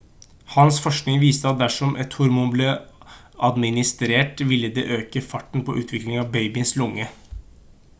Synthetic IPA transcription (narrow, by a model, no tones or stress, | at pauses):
hɑnsfɔʂknɪŋʋiːst̪əɑt̪̚d̪æʂɔmʔɛt̪hʊɾmuːnbleː | ɑd̪mɪnɪst̪ɾeːʈʋɪlːəd̪ḛːʔøːkəfɑʈːn̩pɔ̰ʔʉːt̪ʰʋɪklɪŋɑʋbeɪbɪnslʊŋːə